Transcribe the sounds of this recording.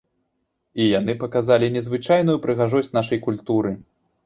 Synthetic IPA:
ijanɨpɐkazalʲinʲɛzvɨt͡ʂajnujupɾɨɣaʐɔsʲtʲnaʂɐjkulʲt̪uɾɨ

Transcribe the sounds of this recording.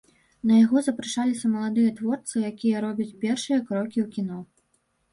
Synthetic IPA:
nɐjaɣɔzɐpɾɨʂalʲisʲɐmɐlˠad̪ɨjɐt̪vɔrt̪sɨjakʲijɐɾɔbʲɐt͡sʲpʲɛrʂɨjɐkɾɔkʲiwkʲin̪ɔ

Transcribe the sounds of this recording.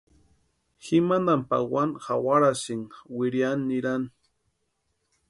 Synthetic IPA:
ximand̪ampa̰wanxawaɾasɪŋwɪɾjanːɪɾan

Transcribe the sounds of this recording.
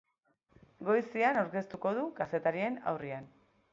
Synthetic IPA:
ɡo̞jsianawɾke̞st̪uko̞ðukase̞t̪aɾie̞na̰wrian

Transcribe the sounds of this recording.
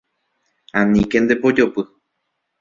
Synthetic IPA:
ãnĩkend̪epod͡ʒopɨ

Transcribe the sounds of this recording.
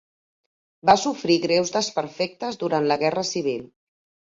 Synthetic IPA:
basufɾiɣɾɛwzðəspəɾfɛk̚t̪əzðuɾant̪ləɣɛrəsiβ̞il

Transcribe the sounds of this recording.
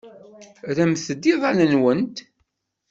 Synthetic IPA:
ɾæmθəd̪ːiðˤɑnənwənt̪

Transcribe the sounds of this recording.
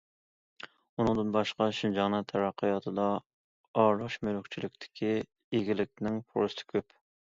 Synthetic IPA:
unɨ̃ŋd̪ɨnbɑʃqɑʃind͡ʒɑnɨt̪ʰɛɾɑqʰːəjɑt̪ʰɨd̪ɑ | ɑɾɑʃmølʊkt͡ʃʰilɪkʲt̪ʰɪ̥kʲʰi | eɡʲilɪkʲnɪŋpʰo̰ɾst̪ɪ̥kʲʰøp

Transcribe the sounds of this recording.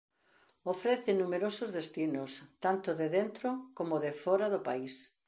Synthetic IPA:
ofɾeθɪnumeɾosʊzðest̪inʊst̪ant̪ʊðeðent̪ɾʊkomoðefɔɾaðʊpais

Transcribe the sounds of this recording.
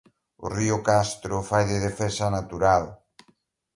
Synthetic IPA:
ʊ̰riʊkast̪ɾʊfajðɪðefɛsanat̪uɾal

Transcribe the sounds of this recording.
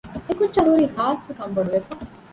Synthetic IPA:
ekut͡ʃɐɾuːɾihaːsukɐmbɐɽuʋefɐ

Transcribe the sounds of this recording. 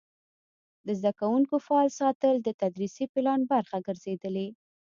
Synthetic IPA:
d̪əzd̪akawuŋkofaɑlsɑt̪əld̪ət̪ad̪ɾisipɪlɑnbaɾxaɡəɾzed̪əle

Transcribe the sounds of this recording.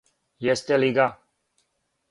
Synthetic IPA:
jest̪eliɡa

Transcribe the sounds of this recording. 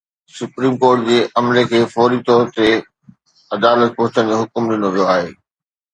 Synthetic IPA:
sʊpɾiːmkoːɾʈd͡ʑeːʔɐmlekʰeːfɔːɾit̪ɔːɾt̪e | ɐd̪aːlət̪̚pɐ̃ɦʊ̃t͡ɕəñd͡ʑoɦʊkʊmɖɪnoʋijoaːɦeː

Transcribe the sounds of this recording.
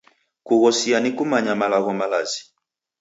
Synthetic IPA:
kuɣɔsianikumaɲamalaɣɔmalazi

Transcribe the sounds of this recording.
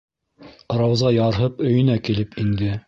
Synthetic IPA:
ɾɑwzɑjɑɾɦɤpɵ̆jɵ̆nækilɘpiŋd̪ɘ

